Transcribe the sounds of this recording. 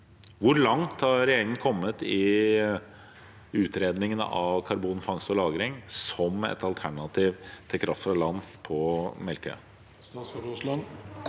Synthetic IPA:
ʋʊɾɭɑŋt̪hɑɾɾɛjeːɾɪŋən̩kʰɔmːət̪ɪ | ʉːt̪ɾeːd̪nɪŋən̰ɑʋkʰɑɾbuːnfɑŋst̪ɔlɑːɡɾɪŋsɔmɛ̰t̪ɑlt̪ʰæɳɑt̪ʰiːʋt̪ʰɪlkʰɾɑft̪fɾɑlɑnːpʰɔmɛlkə̰ | ln

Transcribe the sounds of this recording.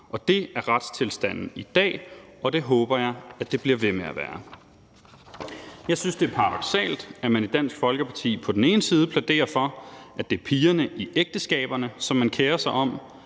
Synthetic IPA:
ʔɒ̽d̥e̝æɐʁɑd̥st͡sʰe̝lsd̥æn̰n̩id̥ɛ̰ː | ɒ̽d̥e̝ɦɔ̽ːb̥ɐjɑ̈ɪæd̥e̝b̥liɐʋe̝meæʋæːɐ | jɑ̈ɪsynsd̥e̝æɐpʰɑ̈ʁɑ̈d̥ɒ̽ɡ̥sɛ̰ːld̥æmæne̝d̥d̥æn̰sɡ̥fɒ̽lɡ̥əpʰɑ̈t͡sʰḭːpʰɒ̽d̥ene̝ːnəsiːð̞̩ˠpʰlæd̥e̝̰ːɐfɒ̽æd̥e̝æɐpʰiːɐnəʔiʔeɡ̥̚d̥əsɡ̥ɛ̰ːb̥ɐnəsɒ̽mːænkʰeːɐsɑ̈ɪɒ̽m

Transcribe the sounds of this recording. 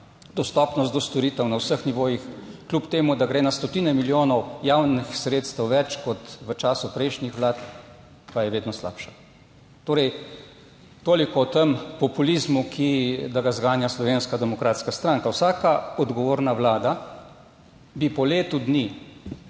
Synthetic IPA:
d̪ɔst̪ɔpnɔs̬t̪d̪ɔst̪ɔɾit̪əwnawsəxniʋoːjixklʲupt̪eːmud̪aɡɾeːnast̪ɔt̪iːnɛmiljoːnɔwjawnixsɾeːt̪st̪əwʋɛt͡ʃkɔt̪ʋət͡ʃaːsupɾɛjʃnixʋlaːt̪ | pajɛʋeːd̪nɔsla̰ːpʃḁ | t̪oːɾɛj | t̪oːlikɔt̪əmpɔpulizmukʰid̪aɡazɡaːnjaslɔʋeːnskad̪ɛmɔkɾaːt̪skast̪ɾaŋkawsaːkaɔd̪ɡɔʋoːɾnawlaːd̪a | bipɔleːt̪ud̪ni

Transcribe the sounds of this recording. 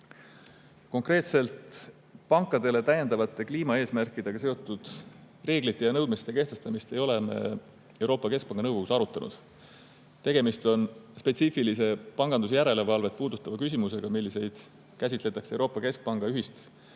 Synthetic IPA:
ko̞ŋkre̞ːt̪se̞lt̪ | pɑŋkˑːɑd̪e̞le̞t̪æje̞nd̪ɑvɑt̪ːˑe̞kliːmɑe̞ːsmærkˑid̪e̞ɡ̥ɑse̞o̞t̪ːˑud̪̥ | re̞ːɡlit̪ːˑe̞jɑnɤwd̪̥̚mist̪ːˑeke̞ht̪est̪ɑmist̪e̞jo̞le̞mḛ | ewɾo̞ːpːˑɑke̞sk̚pɑŋɡ̥ɑnɤwɡoɡ̥usɑɾut̪ːˑɑnṵd̪̥ | t̪e̞ɡ̥e̞mist̪o̞nspe̞t̪siːfilise̞pɑŋɡɑnd̪us̬ejæɾe̞le̞vɑlve̞t̪̚puːd̪̥ut̪ːˑɑvɑkys̬ʲimuse̞ɡ̥ɑmilːise̞jd̪̥ | kæs̬ʲit̪ˑle̞t̪ːˑɑkse̞wɾo̞ːpːˑɑke̞sk̚pɑŋɡ̥ɑyɦist̪

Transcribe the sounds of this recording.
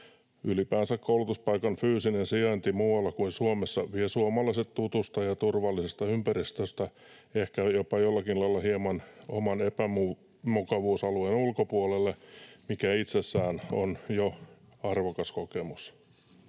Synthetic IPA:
ylipæːnsækkoulut̪uspɑikɑnfyːsinensiɑnt̪imuʋɑlːɑkuinsuomesːɑʋiesuomɑlɑiset̪t̪ut̪ust̪ɑjɑt̪urʋɑlːisest̪ɑympærist̪øst̪æ | ehkæjopɑjolːɑkinlɑilːɑhiemɑno̰mɑnepæmu | mukɑʋuːsɑluenulkopuolelːemikæit̪sesːæːnonjo | ɑrʋokɑskokemus

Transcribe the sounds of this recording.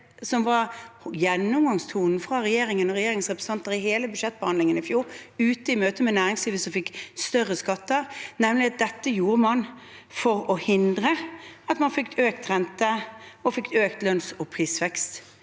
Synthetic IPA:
sɔmʋɑɾjɛnːʊmɡɑŋst̪ʰuːnn̩fʁɑʁɛjeːɾɪŋənɔʁɛjeːɾɪŋsʁɛpɾəs̩ɑnt̪əɾɪheːləbʉd̪ʃɛt̪̚ːbəhɑnlɪŋənɪfjuːɾʉːt̪əɪmøːt̪əmɛnæːɾɪŋsliːʋəsɔmfɪkːst̪œʁːəskɑt̪ːəʁnɛmlɪɑt̪̚d̪ɛt̪ːəjuːɾəmɑnfɔɾɔhɪnd̪ɾəɑt̪mɑnfɪkt̪ʰøːk̚t̪ʁɛnt̪əɔfɪkt̪øːkt̪lœnsɔpʰʁiːsʋɛkst̪

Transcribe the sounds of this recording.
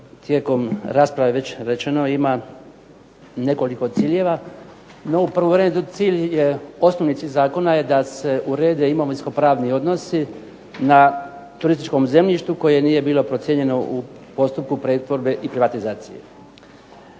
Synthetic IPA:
t̪jeːko̞mɾaːspɾaʋeʋe̞t͡ɕɾe̞t͡ʃeno̞ima | ne̞ko̞liko̞t̪siːʎe̞ʋa | no̞upr̩ʋoʋɾeːmet̪t̪siːʎje̞o̞snoʋnit̪iːʎʲzaːko̞naje̞d̪ase̞ʔuɾe̞ːd̪eimoʋisko̞pɾaːʋnio̞d̪no̞si | nat̪uɾist̪it͡ʃko̞mze̞mʎiʃt̪uko̞jenije̞biːlˠo̞pɾo̞t̪sjeɲe̞no̞ʔu | po̞st̪up̚kupɾet̪ʋo̞ɾbe̞ʔipɾiʋat̪izaːt̪sijḛ

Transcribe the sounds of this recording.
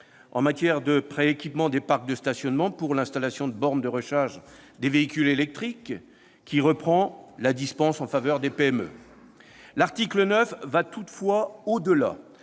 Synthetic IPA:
ɑ̰̃mat̪jɛʁd̪əpχeekʲipmɑ̃d̪epaʁk̚d̪əst̪asjɔnmɑ̃puʁlɛ̃st̪alasjɔ̃d̪əbɔʁnd̪əʁəʃaʁʒd̪eveikʲylelɛk̚t̪χikː | iʁəpχɑ̃lad̪ispɑ̃sɑ̃favœʁd̪epeɛmø̰ | laʁt̪iklənœfvat̪ut̪fwaod̪əla̰

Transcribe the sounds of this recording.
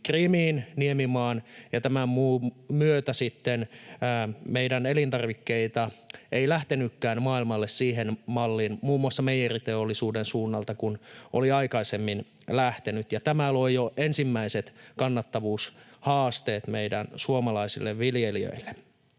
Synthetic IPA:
krimiːnniemimɑːnjɑt̪æmæmmuːmyøt̪æsit̪ːenː | meidænelint̪ɑrʋikːeit̪ɑeilæht̪enykːæːnmɑːilmɑlːessiːɦenmɑlːiːnmuːmːuɑsːɑmejerit̪eolːisuːdensuːnːɑlt̪ɑkunʔoliɑikɑisemːin | læht̪enyt̪jɑt̪æmælojjoʔensimːæiset̪kɑnːɑt̪ːɑʋuːshɑːst̪eːt̪meidænsuomɑlɑisilːeʋʋiljeliø̰ilːe

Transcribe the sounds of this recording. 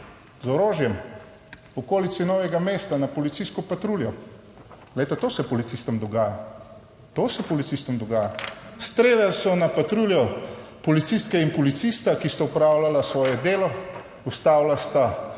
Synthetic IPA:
zɔɾoːʒjɛm | ɔkoːlit̪sinɔwjɛɡameːst̪anapɔlit̪siskɔpat̪ɾuːljɔ | ɡ̥lɛjt̪ɛt̪oːsɛpɔlit̪sist̪ɔmd̪ɔɡaːja | t̪oːsɛpɔlit̪siːst̪ɔmd̪ɔɡaːjast̪ɾeːlalsɔnapat̪ɾuːljɔpɔlit̪sist̪kɛinpɔlit̪sist̪akist̪aupɾaːwlalasʋɔːjɛd̪eːlɔ | ust̪aːwlast̪a

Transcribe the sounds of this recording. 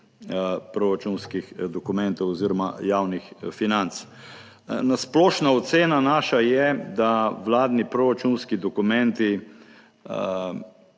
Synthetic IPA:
pɾɔɾat͡ʃunskixd̪ɔkʊmɛnt̪ɔwɔziɾɔma̰jaːwnixfinant̪s | nasplɔʃnaɔt̪seːnanaːʃajɛd̪aʋlaːd̪nipɾɔɾat͡ʃunskid̪ɔkumɛ̃nt̪i

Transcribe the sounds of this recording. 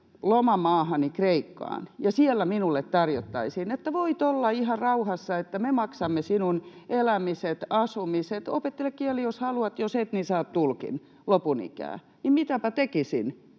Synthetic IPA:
lomɑmɑːhɑnikreikːɑ̰ːnjɑsielːæminulːet̪t̪ɑrjot̪ːɑisinet̪ːæʋoit̪olːɑihɑrɑuhɑsːɑet̪ːæmemɑksɑmːesinunelæmiset̪ɑsumiset̪o̰pet̪ːelekkielijoshɑluɑt̪joset̪nisɑːt̪t̪ulkḭn | lopunḭkæ̰ː | nimmit̪æpæt̪ekisḭn

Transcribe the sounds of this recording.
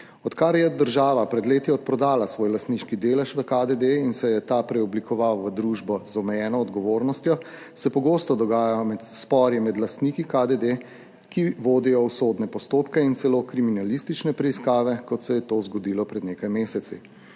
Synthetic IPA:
ɔt̪kaɾjɛd̪əɾʒaːʋapɾɛd̪leːt̪iɔt̪̚pɾɔd̪aːlasʋoːjlast̪niʃkid̪eːlɛʃʋəkad̪ed̪einsɛjɛt̪apɾɛɔblikɔʋawʋəd̪ɾuːʒbɔzɔmɛjɛːnɔːd̪ɡɔʋoːɾnɔst̪jɔ | sɛpɔɡost̪ɔd̪ɔɡaːjajɔmɛt̪spɔɾjɛmɛd̪last̪nikikad̪ed̪e | kiʋoːd̪ijɔwsoːd̪nɛpɔst̪oːpkɛint̪sɛlokɾiminalist̪it͡ʃnɛpɾɛiskaːʋɛkɔt̪sɛjɛt̪ozɡɔd̪iːlɔpɾɛd̪neːkajmeːsɛt̪si

